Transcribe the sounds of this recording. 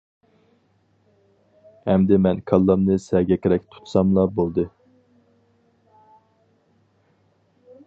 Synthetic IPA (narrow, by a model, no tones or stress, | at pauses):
hɛmd̪ɪmɛnkʰɑlˠːɑmnɨsɛɡʲɛkʲʰɾɛk̚ʲt̪ʰu̥t̪ʰsɑmlˠɑbolˠd̪ɨ